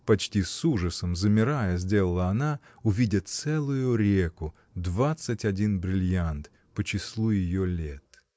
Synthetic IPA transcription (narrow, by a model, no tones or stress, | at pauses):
pɐt͡ɕtʲisuʐəsəmzəmʲɪɾajəzʲdʲe̞lˠəlˠəɐna | ʊvʲidʲɪt̪sɛlˠʊjʊɾʲe̞kʊ | d̪vat̪sɨtʲɐdʲinbɾʲɪlʲjant̪ | pət͡ɕɪslˠujɪjolʲet̪